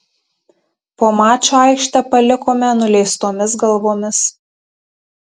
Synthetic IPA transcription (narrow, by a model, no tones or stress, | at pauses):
poːmɑːt͡ʃʲoɑɪkʃt̪ʲɐpɐlʲɪkoːmʲɛnʊlʲɛɪst̪oːmʲɪsɡɐlˠʋoːmʲɪs